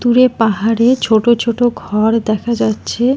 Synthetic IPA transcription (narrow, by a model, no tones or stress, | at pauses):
t̪uɾepaɦaɾet͡ɕʰoʈot͡ɕʰoʈoɡʱɔɾd̪ɛkʰad͡ʑatːɕʰe